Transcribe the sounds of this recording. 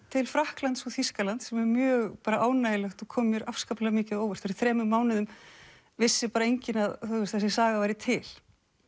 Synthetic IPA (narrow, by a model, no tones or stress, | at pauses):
t̪ʰɪlfɾahklant̪sɔθiskalant̪sɛmɛɾmjœːɣpaːɾaʔaːwnajɪlɛxt̪ɔkʰɔːmmjʏɾafskaplɛɣamɪːcɪðoːwvɛr̥t̪faɾθɾɛːmʏmːaːwnɪðʏm | vɪsːɪpaːɾaejɲcɪnaðθuɪst̪θɛs̬ɪsaːɣavajɾɪt̪ʰɪl̥